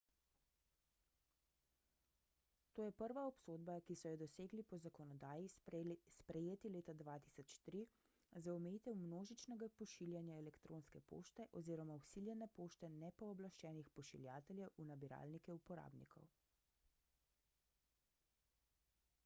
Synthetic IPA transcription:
t̪oːjɛpəɾʋaɔpsoːd̪bakisɔjɛd̪ɔseːɡlipɔzakɔnɔd̪aːjispɾɛjeːt̪ileːt̪ad̪ʋaːt̪i̥sɔt͡ʃt̪ɾi | zaɔmɛjit̪ɛwmnoːʒit͡ʃnɛɡapɔʃiljanjaɛlɛkt̪ɾoːnskɛpo̰ʃt̪ɛʔɔziːɾɔmausiljɛnɛpoːʃt̪ɛnɛpɔːblaʃt͡ʃɛːnixpɔʃḭljaːt̪ɛljɛwʔunabiɾa̰ːlnikɛupɔɾa̰ːbnḭkʰɔ̰w

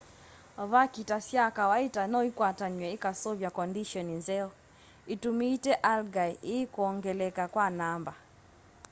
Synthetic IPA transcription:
vakitasjakawaitanɔikwataɲwɛikasɔvjakɔndiʃɔninzɛɔ | itumiːtɛʔalɡaiʔiikuɔŋɡɛlɛkakwanamba

